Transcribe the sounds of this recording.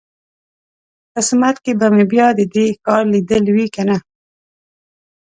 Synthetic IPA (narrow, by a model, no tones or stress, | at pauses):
qɪsmat̪kebamebjɑd̪əd̪ekɑɾlid̪əlwikana